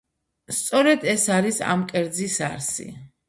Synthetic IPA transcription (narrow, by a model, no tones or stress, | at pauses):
st̪sʼɔɾɛd̪ɛsaɾisa̰mkʼɛɾd̪zisa̰ɾsḭ